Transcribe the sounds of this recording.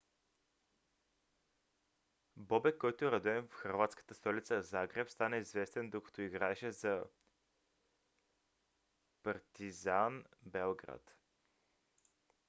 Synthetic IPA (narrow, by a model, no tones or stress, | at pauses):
bɔbɛkːɔjt̪oɛɾɐd̪uɛnfxɐɾvat̪skə̥t̪əst̪ɔlʲit̪səzaɡɾɛpst̪anɛizvɛst̪ɛnd̪okə̥t̪ɔiɡɾaɛʃɛzɐ | pɐɾt̪izanbɛlˠɡɾa̰t̪